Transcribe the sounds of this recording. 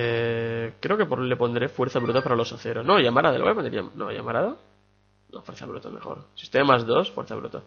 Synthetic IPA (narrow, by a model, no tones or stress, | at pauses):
ekɾeoke̞pole̞po̞nd̪ɾefwe̞ɾθaβɾut̪apaɾalo̞saθeɾonoʝamaɾaðelweponɾa̰no̰ja̰maɾaðo | nofweɾθa̰βɾut̪ame̞̰xo̰ɾsist̪emazðo̞sfweɾθaβɾṵt̪a